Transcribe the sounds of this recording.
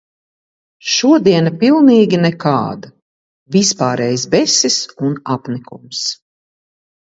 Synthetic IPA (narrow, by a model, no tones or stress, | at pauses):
ʃuɔd̪iɛnapʲilˠniːɡʲinɛka̰ːd̪a | vispaːɾɛːjsbɛsisunapnikṵms